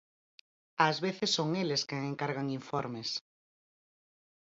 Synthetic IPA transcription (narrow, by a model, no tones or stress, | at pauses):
azβeθesːoŋeleskeŋeŋkaɾɣaŋiɱfɔɾmes